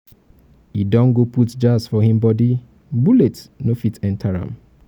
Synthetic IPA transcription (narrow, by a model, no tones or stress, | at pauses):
idɔ̃nɡoputd͡ʒasfɔɦĩmbɔdi | buletnofitʰɛ̃ntʰaɹã̰m